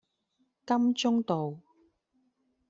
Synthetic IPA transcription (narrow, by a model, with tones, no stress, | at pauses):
kɐ˥mt͡sʊ˥ŋt̪o˨w